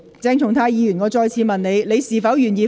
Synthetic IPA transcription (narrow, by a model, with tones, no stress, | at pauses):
t͡sɛː˧ŋt̪ʰʊ˨˩ŋt̪ʰaː˧jiː˧jyː˨˩nŋɔː˨˧t͡ʃɔː˧jt͡sʰiː˨˧˥mɐ˨nne˨˧jle˨˧jsiː˨˩fɐ˨˥wjyː˨˩njiː˧